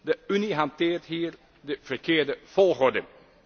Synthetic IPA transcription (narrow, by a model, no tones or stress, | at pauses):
dəyniɦɑntɪːɹtɦiːɹ | dəv̥ərkɪːɹdəv̥ɔlˠχodəŋ